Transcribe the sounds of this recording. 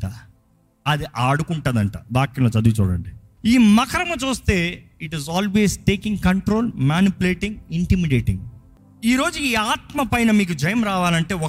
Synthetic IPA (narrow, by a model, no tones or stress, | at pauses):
ʈa | ɐd̪iʔaːɽukuɳʈɐd̪ɐɳʈa̰ːʋaːkːinoːt͡ʃɐd̪uɡut͡ʃuːɽɐ̰ɳɖi | iːmɐkʰɐɾɐmɐt͡ʃuːst̪e̞ːiʈizaːlʋeːsʈeːkĩŋɡkɐɳʈɾo̞ːlmaːnipuleːʈiŋɡiɳʈimiɖeːʈḭŋɡ | iːɾo̞ːd͡ʒuiːaːt̪mɐpɐjnɐmiːkud͡ʒɐjɐmɾaːʋaːlɐɳʈe̞ːɔ